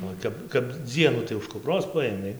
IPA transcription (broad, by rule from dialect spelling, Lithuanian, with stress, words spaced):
oː ˈtʲɛp kɐp ˈd͡zʲiɛnuː tɐɪ ʊʃ kʊpˈroːs ˈpɐeːmʲɛɪ